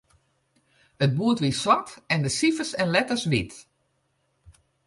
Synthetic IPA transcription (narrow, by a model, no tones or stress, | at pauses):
ət̚buətʋiswatɛndəsifəsɛnlɛtəsʋit